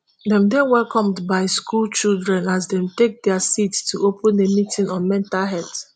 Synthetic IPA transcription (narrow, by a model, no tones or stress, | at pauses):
dɛ̃mdɛ̃nwɛlkɔ̃mdbaɪskult͡ʃilˠdɹɛ̃nazdɛ̃mtek̚dɛasitstʰuʔopə̃ndemitĩnɔ̃nmɛ̃ntalɦɛt